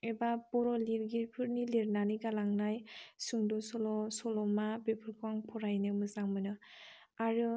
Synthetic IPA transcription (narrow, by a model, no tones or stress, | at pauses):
ebapɔɾɔliɾɡiɾpʰɯɾniliɾnaniɡalaŋnajsuŋdɔsɔlɔsɔlɔmabepʰɯɾkʰuaŋpʰɔɾajnɯmɯzaŋmɯnɯ | aɾɯ